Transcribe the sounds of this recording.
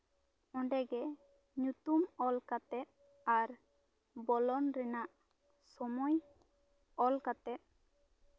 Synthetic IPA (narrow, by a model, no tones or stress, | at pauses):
ɔ̃ɳɖɛɡɛ | ɲut̪umɔlkat̪ɛt̪̚ | aɾ | bɔlɔnɾɛnaʔ | sɔmɔj | ɔlkat̪ɛt̪̚